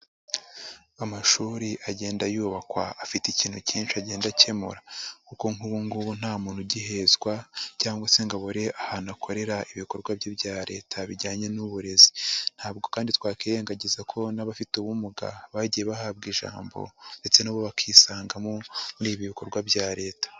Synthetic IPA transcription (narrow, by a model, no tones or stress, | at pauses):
amaʃuːɾiʔaɟe̞ːndajuːβakwaʔːfiticiːn̥huciːnʃiaɟe̞ːndace̞mṵɾakuko̞ŋuβuŋɡuβun̥haːmuːn̥huɟiɦe̞zɡwacaːŋɡwase̞ŋɡaβoɾe̞ʔahanakʰo̞ɾe̞ɾaʔiβiko̞ɾɡwabɟibɟaːɾe̞ːtʰaβiɟaːɲe̞nuβuɾe̞zi̥n̥haːb̚ɡo̞kaːnditwaːkiɾe̞ːŋɡaɟezakʰo̞naβafituβumuɡa̰βaɟijeβahaːb̚ɡiʒa̰ːmbo̞̰nde̞t͡se̞naβoβakʰiːsaːŋɡamomuɾiːβiβiko̞ɾɡwabɟaːɾe̞ːtḁ